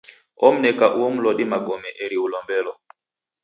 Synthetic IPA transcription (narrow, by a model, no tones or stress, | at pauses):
ɔm̩nɛkaʔuɔm̩lɔɗimaɡɔmɛʔɛɾiulɔmbɛlɔ